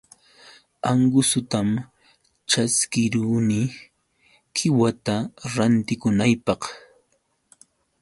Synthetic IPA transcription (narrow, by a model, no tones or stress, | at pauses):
aŋɡʊsʊt̪am | t͡ʃaskɪɾuːnɪ | kʰɪwat̪aɾant̪ɪkʊnajpɑq